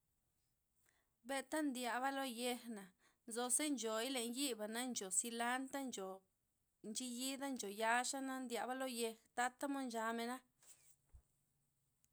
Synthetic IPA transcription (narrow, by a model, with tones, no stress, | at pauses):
be˧t̪a˦nd̪ja˨βa˦lo˦je˧xna˨ | nzo˧se˦nd͡ʒo˨i˦le˨nji˦ba˨na˦nt͡ʃo˨si˧la˦nt̪a˦nd͡ʒo˨ | nt͡ʃi˧ji˦d̪a˦nd͡ʒo˨ja˧ʂa˦na˦nd̪ja˨ba˦lo˦je˧xt̪a˦t̪a˦mo˦nd͡ʒa˧me˧na˦